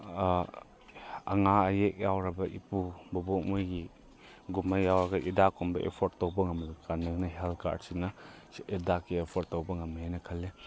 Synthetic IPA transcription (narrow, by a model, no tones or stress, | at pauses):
ɐ̰ŋaɐjek̚jawɾɐbɐʔipubɔbok̚mojɡi | ɡumɐjjawɾɐɡɐʔidakʰumbɐʔḛpʰɔɾtowbɐŋɐmlɯkanɯŋnɐɦalka̰ɾsinɐidakiepʰɔɾtowbɐŋɐmenɐkʰɐle